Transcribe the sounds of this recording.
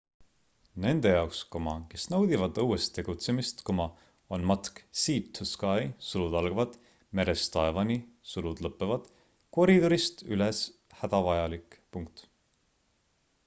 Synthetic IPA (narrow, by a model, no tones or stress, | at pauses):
ne̞nd̪e̞jɑokskomɑ̰ke̞snɤwd̪̥ivɑd̪ɤwest̪ːe̞ɡ̥ut̪se̞mist̪komɑ | onmɑt̪ksiːt̪ʰːuskɑjsulud̪ɑlɡ̥vɑd̪̥ | me̞ɾe̞st̪ɑevɑnʲisulud̪̥lɤpːevɑd̪̥ | ko̞ɾid̪o̞ɾist̪yles | hæd̪̥ɑvɑjɑlikpuŋk̚t̪